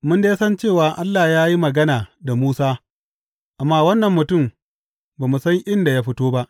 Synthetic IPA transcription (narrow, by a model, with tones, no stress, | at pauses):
mʊ˦ndeː˦sɐ˦nt͡ʃeː˦˨waː˨ʔa˦lːaː˨jaː˦ji˦mɐ˨ɡɐ˦naː˨da˨muː˦saː˦ | ʔa˨mːaː˦wɐ˦nːɐ˨mːʊ˨tʊ˦˨m | baː˨mu˨sɐ˦ŋʔɪ˦nda˨jaː˦ɸɪ˦toː˦ba˦ʔ